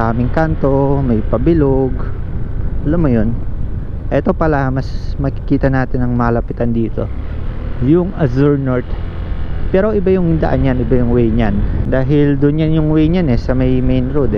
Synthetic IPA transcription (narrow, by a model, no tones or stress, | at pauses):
aːmɪŋkant̪o̞mɐjpɐbɪloɡ | ʔɐlɐmːojo̞n | ʔɛt̪o̞pɐlamɐsmɐkɪ̥kiːt̪ɐnaːt̪ɪnɐŋmɐlɐpɪt̪and̪iːt̪o | jʊŋɐzuɹnoɹt̪ | pɛːɾo̞ʔɪbajʊŋd̪ɐʔanjanɪbajʊŋwɛjɲand̪aːɦɪld̪ʊnɲanjʊŋwɛjɲanɛsɐmɐjmejnɾod̪ɛ